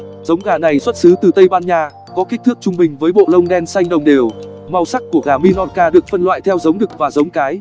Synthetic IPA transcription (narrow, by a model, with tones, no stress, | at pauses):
zə˨˦wŋ͡mɣaː˨˩na˨˩jswə˦˥t̚sɨ˨˦t̪ɨ˨˩t̪ə˧jɓaː˧nɲaː˧ | kɔ˨˦ki˦˥k̚t̪ʰɨ˦˥k̚t͡ɕʊ˧ŋ͡mɓï˨˩ŋ̟vəː˨˦jɓo̰˧˨lə˧wŋ͡mɗɛ˧nsa˧jŋ̟ɗə˨˩wŋ͡mɗe˨˩əw | ma˧wsa˦˥k̚ku˧˩əɣaː˨˩mi˧nɔ˧˥t̚kaː˧ɗɨ˨˩ək̚fə˧nlwa̰ː˧˨jt̪ʰɛ˧wzə˨˦wŋ͡mɗɨ˨˩k̚vaː˨˩zə˨˦wŋ͡mkaː˨˦j